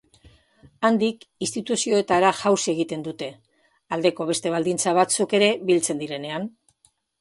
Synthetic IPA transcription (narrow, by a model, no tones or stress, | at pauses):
and̪ikist̪it̪usio̞e̞t̪aɾaʝawse̞ɣ̞it̪e̞nd̪ut̪e̞ | ald̪e̞ko̞β̞e̞st̪e̞β̞ald̪int͡saβ̞at͡suke̞ɾe̞βilt͡se̞nd̪iɾe̞ne̞an